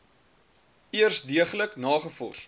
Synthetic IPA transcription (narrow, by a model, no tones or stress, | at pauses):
iərsdiəχələknɑːχəfɔ̰rs